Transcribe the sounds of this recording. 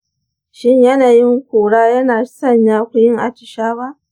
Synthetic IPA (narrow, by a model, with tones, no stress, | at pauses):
ʃɪ˦ɲjɐ˦naː˨jɪ˦ŋkʷoː˨ɽaː˦jɐ˦naː˨sɐ˦˨ɲjaː˦kʷʊ˨jɪ˦ŋʔa˨t͡ʃɪ˨ʃaː˦ba˦ʔ